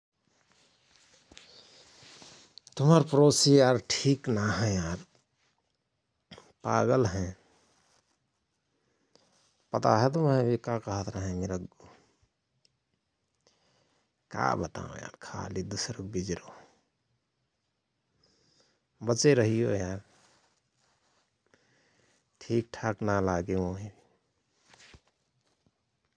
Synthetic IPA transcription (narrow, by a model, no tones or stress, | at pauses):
t̪ʊməɾpɾosijaːɾʈʰiːknaɦɛ̃jaːɾ | paːɡəlɦɛ̃ | pət̪aɦɛt̪umɛ̃bʱikakəɦət̪ɾəɦɛ̃meɾəɡ | ka̰bət̪a̰ːõ̰ja̰ɾkʰa̰ːlid̪usɾək̚bid͡ʒɾo | bət͡ʃeɾəɦijojaɾ | ʈʰiːk̚ʈʰaknalaːɡemoɦibi